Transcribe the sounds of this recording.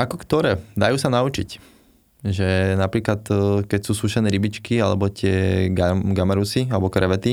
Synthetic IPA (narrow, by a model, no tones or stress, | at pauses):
akɔkt̪ɔɾɛːd̪ajuːsanaut͡ʃḭc | ʒɛnapɾiːklat̪kɛcsuːsuʃɛnɛːɾibit͡ʃkialɛbɔt̪ɪɛɡaɡamaɾusialɛbɔkɾɛʋɛt̪i